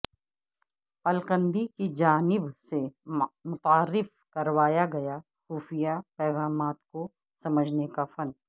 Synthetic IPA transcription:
ɐlqə̃nd̪ikid͡ʒaːnɪbsemʊt̪aːɾːɪf | kɐɾʋaːjaɡɐja | xuːfɪjapɛːɣaːmaːt̪ko | sɐməd͡ʒʱnekafɐn

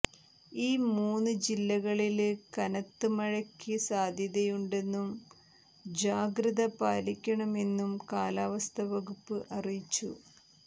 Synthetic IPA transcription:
iːmuːnːɨd͡ʑilːɐɣɐɭilkɐnɐt̪ːɨmɐɻɐkʲːɨsaːd̪ʱjɐðɐjuɳɖe̞nːum | d͡ʑaːɡɾɐðɐpaːlikʲːɐɳɐme̞nːumkaːlaːʋɐst̪ʰɐʋɐɣupːɨʔɐrijit͡ɕːu

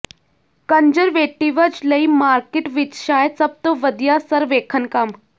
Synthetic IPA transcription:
kəɲd͡ʒəɾʋeːʈːiʋəd͡ʒləimaːɾkeʈʋit͡ʃʃaːjəd̪sɐb̚t̪oʋəd̪ijasəɾʋeːkʰənkam

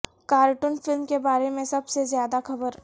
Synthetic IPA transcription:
kaːɾʈʊnfɪlmkebaːɾemẽsɐbsezjaːd̪axɐbəɾ

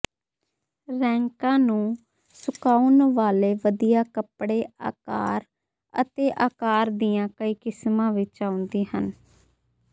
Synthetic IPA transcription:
ɾɛ̃ːŋkãːnũː | sʊkaːunʋaːleːʋəd̪ijaːkəpɽeːa̰ːka̰ːɾ | ə̰t̪eːʔaːkaːɾd̪iːjãːkəiːkɪsmãːʋɪt͡ʃãːʊnd̪iːhən

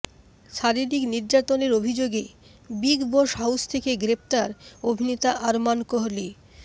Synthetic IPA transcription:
ʃaɾiɾikniɾd͡ʑat̪oneɾobʱid͡ʑoɡe | biɡboʃɦawst̪ʰekeɡɾep̚t̪aɾobʱinet̪aʔaɾmankoɦli

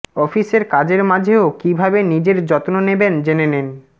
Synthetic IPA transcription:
ɔfiseɾkad͡ʑeɾmad͡ʑʱeokibʱabenid͡ʑeɾd͡ʑɔt̪ononebend͡ʑenenen

